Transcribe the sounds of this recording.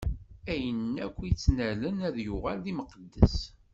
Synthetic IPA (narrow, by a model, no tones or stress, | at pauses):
æjənːækʷːit͡sːnælənæðjuʁælːiməqəd̪ːə̰s